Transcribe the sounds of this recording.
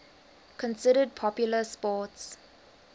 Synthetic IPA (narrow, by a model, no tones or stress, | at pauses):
kʰɔ̃nsɪɾəd̚pʰɔpjuləspɔːts